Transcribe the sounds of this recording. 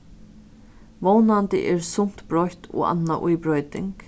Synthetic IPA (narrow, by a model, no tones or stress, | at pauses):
ʋownant̪ɪ̰ʔɛɹsʊm̥t̪bɾɔht̪ʰɔ̰ːa̰nːaʔʊjpɾɔjt̪ɪŋk